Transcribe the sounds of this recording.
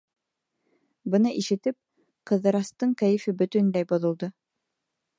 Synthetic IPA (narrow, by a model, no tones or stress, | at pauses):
bɤ̆nɤʔiʃɘ̆t̪ɘp̚ | qɤ̆ðɤ̆ɾɑst̪ɤɴkæjɘ̆fɘbɵ̆t̪ɵ̆nlæjbŏðŏlˠd̪ɤ